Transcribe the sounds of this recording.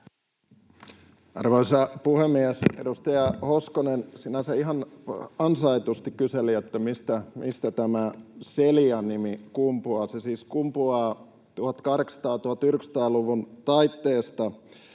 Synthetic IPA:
ɑ̰rʋoisɑpuhemːiesḛdust̪ɑjɑhoskonensinæseiɦɑnɑnsɑit̪ust̪ikkyseliet̪ːæmist̪æmist̪æt̪æmæseliɑnimikumpuɑsesiːskumpuɑː | t̪uhɑt̪ːkɑhɾeksɑ̥t̪ɑːt̪uhɑt̪ːyrksɑ̥t̪ɑːluʋunt̪ɑit̪ːeːst̪ɑ

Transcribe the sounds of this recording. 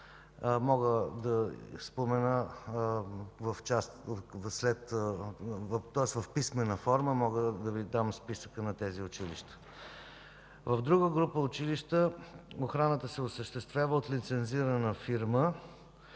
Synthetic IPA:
mɔɡəd̪ɐspomɛnə | vəft͡ʃast̪slɛt̪ | t̪ɔɛsvɐfpismɛnəfɔɾməmɔɡəd̪ɐvid̪amspisə̥kənɐt̪ɛziʊt͡ʃilḭʃt̪ə̥ | vɐvd̪ɾuɡəɡɾupəʊt͡ʃiliʃt̪əoxɾanət̪əsɛosəʃt̪ɛst̪vʲjavəot̪lit̪sɛnziɾənəfiɾmə

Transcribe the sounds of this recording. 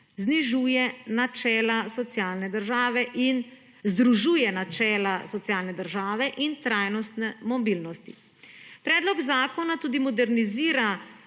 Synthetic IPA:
zniʒuːjɛnat͡ʃɛːlasɔt̪sjaːlnɛd̪əɾʒaːʋɛʔin | zd̪ɾuʒuːjɛnat͡ʃɛːlasɔt̪sjaːlnɛd̪əɾʒaːʋɛʔint̪ɾaːjnɔst̪nɛmɔbilnɔst̪i | pɾɛːd̪lɔɡzaːkɔnat̪uːd̪imɔd̪ɛɾniziːɾa

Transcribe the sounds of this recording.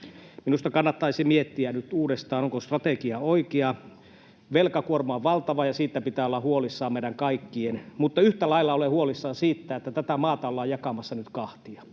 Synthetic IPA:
minust̪ɑkɑnːɑt̪ːɑisimiet̪ːiænyt̪uːdest̪ɑːnoŋkost̪rɑt̪ekiɑoikeɑ | ʋelkɑkuormɑoʋʋɑlt̪ɑʋɑjɑsiːt̪ːæpit̪æːolːɑhuolisːɑːmmeiɾæŋkɑikːienmut̪ːɑyht̪ælɑilːɑolehuolisːɑːsiːt̪ːæet̪ːæt̪æt̪æmɑːt̪ɑolːɑːjɑkɑmɑsːɑnyt̪kɑht̪iɑ

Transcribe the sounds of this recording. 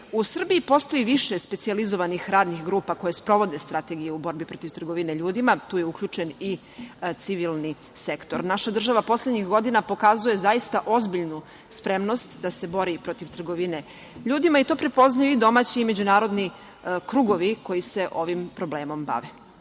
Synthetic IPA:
usr̩biːpo̞st̪o̞jiʋiʃespe̞t̪sializoʋanixɾaːd̪nixɡɾuːpako̞jespɾo̞ʋo̞d̪est̪ɾat̪eɡijeubo̞ɾbipɾo̞t̪iʋt̪r̩ɡoʋineʎuːd̪imat̪uːjeukʎʲuːt͡ʃeni | t̪siʋilˠni | sekt̪oɾnaʃad̪r̩ʒaʋapo̞slʲed̪ɲixɡo̞d̪inapo̞kazuje̞zajist̪aʔo̞zbiʎnu | spɾe̞mno̞st̪d̪ase̞bo̞ɾipɾo̞t̪iʋt̪r̩ɡoʋine | ʎuːd̪imait̪opɾepo̞znajuid̪o̞maːt͡ɕiːme̞d͡ʑunaːɾo̞d̪ni | kɾuːɡo̞ʋiko̞jise̞ʔo̞ʋimpɾo̞bleːmo̞mba̰ʋe

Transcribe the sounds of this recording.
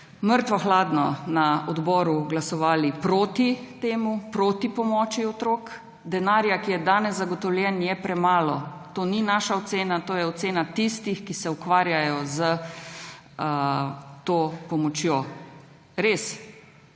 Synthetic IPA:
məɾt̪ʋaxlaːd̪nɔnaɔd̪bɔːɾuɡlasɔʋaːlipɾot̪it̪eːmupɾoːt̪ipɔmɔːt͡ʃiɔt̪ɾoːk | d̪ɛnaːɾjakijɛd̪aːnɛzzaɡɔt̪ɔwlʲjɛnjɛpɾɛmaːlɔt̪oːninaːʃaɔt̪seːnat̪oːjɛɔt̪seːnat̪ist̪ixkisɛukʋaːɾjajɔzə | t̪oːpɔmɔt͡ʃjoː | ɾes

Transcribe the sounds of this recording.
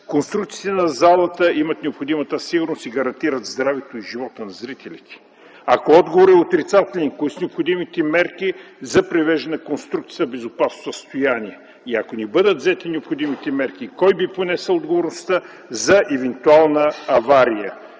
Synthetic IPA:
konst̪ɾukt̪siːt̪ɛnɐzalˠət̪əimɐt̪nɛopxod̪imət̪əsiɡʊɾnost̪iɡɐɾɐnt̪iɾət̪zd̪ɾavɛt̪oiʒivɔt̪ənɐzɾit̪ɛlit̪ɛ̥ | akoɔd̪ɡovoɾɛot̪ɾit̪sat̪ɛlʲɛnkoisnɛopxod̪imit̪ɛmɛɾki | zɐpɾivɛʒd̪ɐnɐkonst̪ɾukt̪siːɐbɛzʊpasnosəst̪ojaniɛ | iɐkonɛbɤd̪ət̪zɛt̪inɛopxod̪imit̪ɛmɛɾk̟ikɔjbiponɛsɛlˠod̪ɡovoɾnʊst̪ə | zɐʔɛvɛnt̪ualˠnəɐvaɾijə̰

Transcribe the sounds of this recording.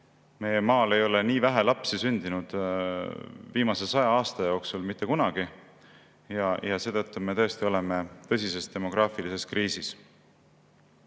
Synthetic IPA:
me̞jemɑːle̞jo̞le̞niːvæɦelɑpsisynʲd̪̥inud̪̥ | viːmɑse̞sɑjɑɑːst̪ɑjo̞ksulmit̪ːe̞kunɑɡ̥i | jɑjɑse̞ːt̪ɤt̪ːume̞t̪ɤ̞est̪io̞le̞me̞t̪ɤ̞sʲise̞st̪e̞mo̞ɡ̥ɾɑːfilise̞skriːsis

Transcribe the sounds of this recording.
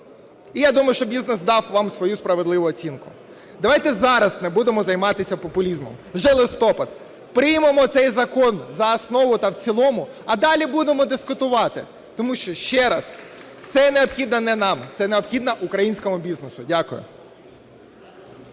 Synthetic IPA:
ijad̪umɐjʊʃt͡ʃɔbʲiznesd̪ɑwʋɑmsʋɔjuspɾɐʋedlˠɪʋʊɔt͡sʲinkʊ | d̪ɐʋɑjt̪ɛzɑɾɐsnɛbud̪emɔzɐjmɑt̪ɪsʲɐpɔpʊlʲizmɔmwʒɛlˠɪst̪ɔpɐd̪ | pɾɪjmemɔt̪sɛjzɐkɔnzɐɐsnɔʋʊt̪ɐwt͡sʲilˠɔmʊɐd̪ɑlʲibud̪emɔd̪ɪskʊt̪ʊʋɑt̪ɪ̰ | t̪ɔmuʃt͡ʃɔʃt͡ʃɛɾɐs | t̪sɛneɔpxʲid̪nɐnɛnɑmt̪sɛneɔpxʲid̪nɐʔʊkɾɐjinʲsʲkɔmʊbʲiznesʊdʲakʊjʊ̰

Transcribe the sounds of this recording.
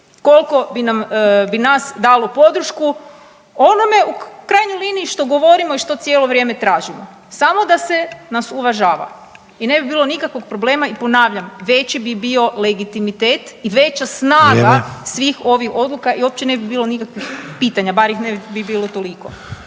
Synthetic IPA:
ko̞lˠko̞binambinasd̪alopo̞d̪ɾ̩ʃku | ono̞me̞ukɾajɲojliniiʃt̪o̞ɡo̞ʋo̞ɾimo̞iʃt̪o̞t̪sjeːlo̞ʋɾje̞ːme̞t̪ɾaːʒimo̰ | samo̞d̪ase̞nasuʋaʒaːʋa̰ | ine̞bibiːlˠo̞nikakʋo̞ɡ̚pɾoble̞ːmaipo̞naːʋʎamʋe̞t͡ɕibibio̞leɡit̪imit̪eːt̪iʋe̞t͡ɕasnaːɡasʋixo̞ʋixo̞d̪lukaʔiop̚t͡ɕene̞bibiːlˠo̞nikakʋixpiːt̪aɲabaɾjixnebibiːlˠot̪o̞liko̰

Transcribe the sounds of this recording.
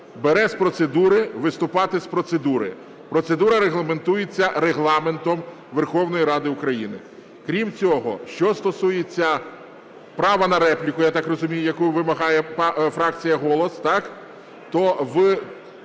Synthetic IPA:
beɾɛspɾɔt̪sed̪uɾɪʋɪst̪ʊpɑt̪ɪspɾɔt̪sed̪uɾɪ̰ | pɾɔt̪se̞d̪uɾɐɾeɦlˠɐme̞nt̪ujet͡sʲːɐɾeɦlˠɑme̞nt̪ɔm | ʋerxɔwnɔjiɾɑd̪ɪʊkɾɐjinɪ | kɾʲimt͡sʲɔɦɔ̰ʃt͡ʃɔst̪ɔsujet͡sʲːɐ | pɾɑʋɐnɐɾɛplʲikʊjat̪ɑkrɔzʊmʲijʊjɐkujʋɪmɐɦɑjɛpfɾɑkt͡sʲijɐɦɔlˠɔst̪ɑk | t̪ɔʋ

